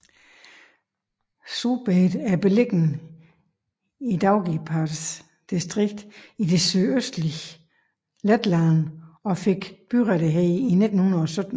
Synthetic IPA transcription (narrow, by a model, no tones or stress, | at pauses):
sub̥ed̥æɐb̥e̝leɡ̥n̩ | id̥ɑ̈ʊɡ̥ipʰɑd̥s | d̥isd̥ʁiɡ̥̚d̥id̥e̝syøsd̥li | led̥lænɒ̽feɡ̥b̥yʁɛɾəɦɛɪine̝d̥n̩hunɐɒsød̥n̩